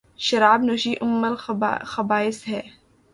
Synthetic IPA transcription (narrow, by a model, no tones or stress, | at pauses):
ʃɐɾaːbnoʃiːʔʊmːɐlxɐbaːɪshɛː